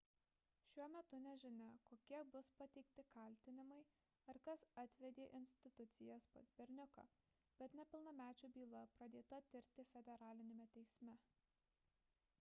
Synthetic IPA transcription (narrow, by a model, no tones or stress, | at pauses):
ʃʲuɔmʲɛt̪ʊnʲɛʒʲɪnʲɛkoːkʲiɛbʊspɐt̪ʲɛɪkt̪ʲɪkɐlʲt̪ʲɪnʲɪmɐɪ | ɐɾkɐsɐt̪ʲʋʲɛd̪ʲeːʔɪnʲsʲt̪ʲɪt̪ʊt̪sʲɪjɛspo̰zʲbʲɛɾʲnʲʊko̰ | b̥ʲɛt̪nʲɛpʲɪlˠnɐmʲæːt͡ʃʲuːbʲiːlˠɐpɾɐd̪ʲeːt̪ɐt̪ʲɪɾʲt̪ʲɪfʲɛd̪ʲɛɾɑːlʲɪnʲemʲɛt̪ʲɛɪsʲmʲɛ